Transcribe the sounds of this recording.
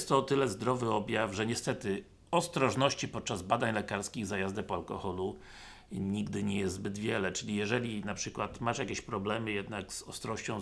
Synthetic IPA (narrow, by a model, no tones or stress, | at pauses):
st̪t̪ːɔːt̪ɘlɛzd̪ɾɔvɘɔbʲjafʐɛɲɛst̪ɛt̪ɘ | ɔst̪ɾɔʐnɔɕt͡ɕipɔt̪̚t͡ʂazbad̪aɲlɛkaɾskʲiɣzajazd̪ɛpɔalkɔxɔlu | ɲiɡd̪ɘɲɛjɛst̪zbɘd̪vʲjɛlɛt͡ʂɘlʲijɛʐɛlʲinapʂɘkwat̪maʂjakʲeɕpɾɔblɛmɘjɛd̪naɡz̥ɔst̪ɾɔɕt͡ɕɔ̃w̃